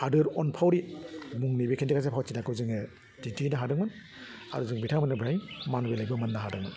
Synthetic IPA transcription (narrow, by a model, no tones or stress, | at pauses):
hadɯɾɔnpʰawɾimuŋnibekʰendikʰazepʰawt͡ʃinakʰɯwzɯŋɯ | ditinɐɦadɯŋmɯn | a̰ɾuzɯŋbitʰawmanɯbɾajmanbelajbɐmɐnːaɦadɯŋmɯn